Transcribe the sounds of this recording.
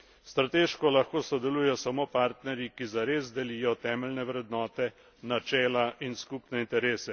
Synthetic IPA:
st̪ɾat̪eːʃkɔlaxkoːsɔd̪ɛluːjɛɔsamoːpaːɾt̪nɛɾjikizaɾeːzd̪ɛliːjɔt̪ɛːmɛlnɛʋɾɛd̪nɔːt̪ɛ | nat͡ʃɛːlaʔinskupnɛint̪ɛɾeːsɛ

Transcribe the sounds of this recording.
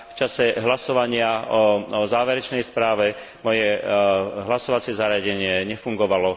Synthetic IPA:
ft͡ʃasɛɦlasɔʋaɲɪaɔzaːʋɛɾɛt͡ʃnɛjspɾaːʋɛ | mɔjɛ | ɦlasɔʋat͡sɪɛzaɾɪaɟɛɲɪɛɲɛfuŋɡɔʋalɔ

